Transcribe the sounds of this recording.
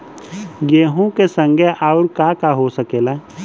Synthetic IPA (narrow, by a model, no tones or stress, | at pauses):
jeːɦũkesə̃ŋɡʱeʔaːʊɾkakaɦosəkeːla